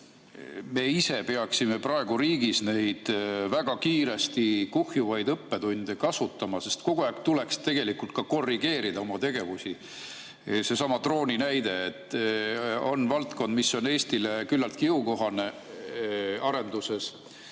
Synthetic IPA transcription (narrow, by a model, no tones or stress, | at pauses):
me̞ːise̞pe̞ɑksime̞prɑe̞ɡ̥uɾiːɡ̥isne̞jd̪̥væɡ̥ɑkiːɾe̞st̪ikuhjuvɑjd̪ɤpːe̞t̪unʲd̪̥ekɑsut̪ːɑmɑse̞st̪ko̞ɡ̥uæːkt̪ule̞kst̪e̞ɡ̥e̞likult̪̚kɑko̞rːiɡe̞ːɾid̪ɑo̞mɑt̪e̞ɡ̥e̞vusi | se̞sɑmɑt̪ro̞ːnʲinæjd̪e̞ːt̪ːˑ | o̞̰nvɑlt̪ko̞nd̪̚misːo̞ne̞ːst̪ile̞kylːɑlt̪̚kiuko̞ɦɑne̞ | ɑɾe̞nd̪use̞s